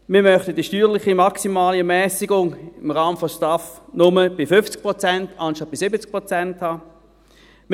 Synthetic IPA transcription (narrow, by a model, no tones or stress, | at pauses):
mɪːɐmœχtəd̥iʃtyːʁlɪχimaksimaːliɛɐmɛːsiɡʊŋɪmʁaːmənfɔstafnʊməb̥ɪfʏft͡sk̚pʁɔt͡sɛntʰɑnʃtɑt̚b̥ɪsɪbət͡sk̚pʁot͡sɛnthaː | m